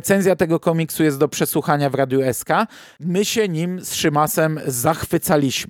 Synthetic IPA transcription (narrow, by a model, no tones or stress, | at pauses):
t̪sɛnzʲjat̪ɛɡɔkɔmʲiksujɛst̪d̪ɔpʂɛswuxaɲavɾad̪juɛska | mɘɕɛɲimsʂɘmasɛmzaxfɘt̪salʲiɕm